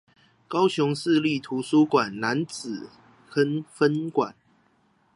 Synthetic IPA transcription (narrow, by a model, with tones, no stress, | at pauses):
kɑ˦ʊɕjʊ˨˦ŋsɹ̩˥˧li˥˨t̪ʰu˨˦su˦kwa˨˩nna˨˦nt͡sɹ̩˨˩ | kə˦nfə˦nkwa˨˩˦n